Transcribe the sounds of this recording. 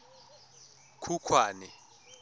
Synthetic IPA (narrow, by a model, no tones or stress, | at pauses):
kʰukʰwaːnɛ